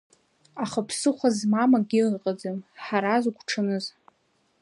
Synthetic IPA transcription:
aχapʰsɨχʷazmamaɡʲirqʼad͡zamħaɾazɡʷʈ͡ʂʰanɨz

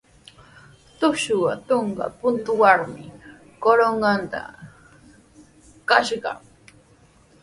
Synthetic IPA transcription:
t̪ʊʃʊwat̪oɴɢɑ̰pʊnt̪ʊwaɾmɪ̰ | koɾoɴɢɑnt̪a̰ | kaʃɢɑ̰

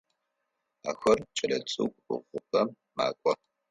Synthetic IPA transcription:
a̰ːxɐrt͡ʃʼɐlɐt͡sʼṵkʷʼʊ̰ʁʷʊpɐm | ma̰ːkʷʼɔ

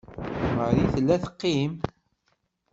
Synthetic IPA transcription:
məɾiθəlːæθə̥qːim

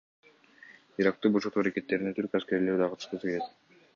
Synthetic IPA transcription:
iɾɑk̚t̪ubuʃut̪uaɾake̞t̪ːe̞ɾinet̪ʰyɾkaske̞ɾleɾd̪ɑqʰɑt̪ɯ̥ʃt̪ɯsɯkeles

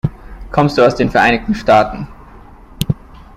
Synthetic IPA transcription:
kʰɔmstd̥uːaʊsd̥eːnfɛɐʔaɪnɪçtn̩ʃtaːtn̩

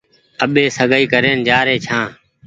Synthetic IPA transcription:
əɓeːsəɡəiːkəɾeːnd͡ʒaːɾeːt͡ʃʰãː

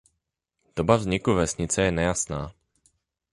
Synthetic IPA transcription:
d̥obavzɲɪkuvɛsɲɪt͡sɛjɛnɛjasnaː

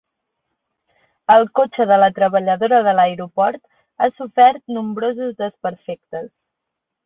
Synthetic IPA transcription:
əlˠkot͡ʃəðələt̪ɾəβəʎəðoɾəðələeɾupɔɾt̪ | asufɛɾt̪numbɾozuzðəspəɾfek̚t̪əs

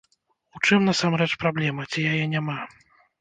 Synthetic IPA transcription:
ut͡ʂɨmnasamɾɛt͡ʂpɾablʲɛmɐt͡sʲijajɛnʲama

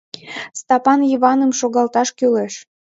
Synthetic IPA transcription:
st̪ɑpɑnjiβɑnəmʃoɣɑlt̪ɑʃkyleʃ

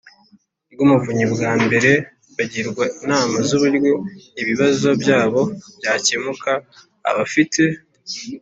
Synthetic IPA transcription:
bɡumuvuɲibɡaːmbe̞ɾe̞ | βaɟiɾɡwainaːmazuβuɾɡweiβiβazo̞bjaːβo̞b̥jaːcemuka̰ː | βafitʰe̞

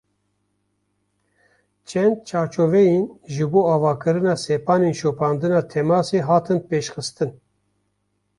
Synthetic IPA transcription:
t͡ʃʰɛnd̪̚t͡ʃʰɑːɾt͡ʃoːvɛjinʒɨboːɑːvɑːkɨɾɨnɑːsɛpɑːneːnʃoːpʰɑːnd̪ɨnɑːt̪ʰɛmɑːseːɦɑːt̪ʰɨnpeːʃxɨst̪ɨn

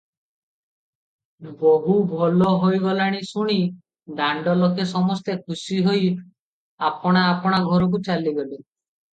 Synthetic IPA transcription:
boɦubʱɔlɔɦojɡɔlaɽ̃isuɽ̃i | d̪aɳɖɔlɔkesɔmɔst̪ekʰusiɦoj | apɔɽ̃aːpɔɽ̃aɡʱɔɾɔk̬ut͡ʃaliɡɔle

